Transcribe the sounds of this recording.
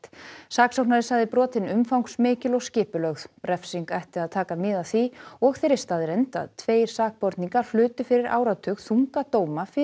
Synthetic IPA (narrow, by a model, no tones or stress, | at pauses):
saːksɔwknaɾɪsaɣðɪpɾɔːt̪ɪnʏmfawŋksmɪːcɪlɔɣscɪːpʏlœɣðrɛfsiŋkajht̪ɪaðt̪ʰaːkamɪːðḁθiɔɣθejɾɪɾ̥st̪aːðɪɾejnt̪a̰ðt̪ʰveːjɾ̥saːk̚pɔɾt̪niŋkḁl̥ʏːt̪ʏfɪɾɪɾʔa̰ːwɾat̪ʰœːkθuŋkat̪oːwmafɪ